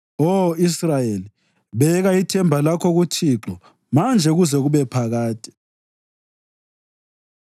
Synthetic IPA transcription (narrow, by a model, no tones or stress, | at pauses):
oisrajeli | βɛɣaitʰɛmbʱalakʰɔɣutʰiːǁɔ | mand͡ʒʱɛɣuzɛɣuβɛpʰaɣaːtʼi̥